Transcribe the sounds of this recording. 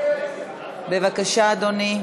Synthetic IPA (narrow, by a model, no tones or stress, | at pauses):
bevakaʃaːd̪oni